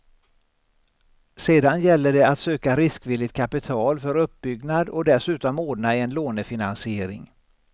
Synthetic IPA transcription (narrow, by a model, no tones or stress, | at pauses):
seːd̪anjɛlːəɖɛat̪søːkaɾɪskvɪlːɪt̪̚kʰapɪt̪ʰɑːlfœɾɵp̚ːbʏɡnad̪ɔd̪ɛsʉ̟ːt̪ɔmoːɖnaɛnloːnəfɪnansɪeːɾɪ̰ŋ